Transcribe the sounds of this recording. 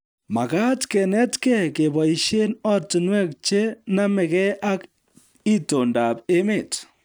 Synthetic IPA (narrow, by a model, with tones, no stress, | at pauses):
ma˨ka˦tkɛ˨nɛ˦tkɛ˦˨ke˨ba˨i˨ʃe˦nɔ˦ttu˨nwɛ˦k̚t͡ʃe˦na˦mɛ˨kɛ˦ʔa˦k | i˦to˨nda˨pe˦me˨t